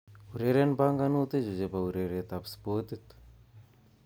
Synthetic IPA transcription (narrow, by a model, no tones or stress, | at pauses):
uɾeɾenbaŋɡanut̪ed͡ʒud͡ʒepauɾeɾet̪apspot̪it̪u̥